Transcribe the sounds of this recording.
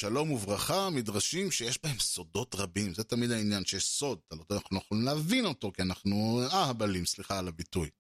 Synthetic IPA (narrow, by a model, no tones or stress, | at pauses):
ʃalo̞muvʁaχamidʁaʃimʃejeʃbahe̞mso̞do̞t̪ʁabimzetamid̪ainjanʃelso̞d̪̚alotːnaχnujaχolimlaːvino̞to̞kianaχnuahabalimsliχaːlabituj